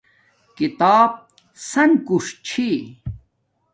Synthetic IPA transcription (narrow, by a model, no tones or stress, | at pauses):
kit̪aːb̚ | sɐnkuʂt͡ɕʰi